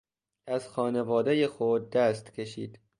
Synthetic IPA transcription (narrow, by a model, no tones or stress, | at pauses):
ʔæzxɒːnevɒːd̪ejexod̪̚ːæst̪cʲʰe̞ʃḭːd̪̥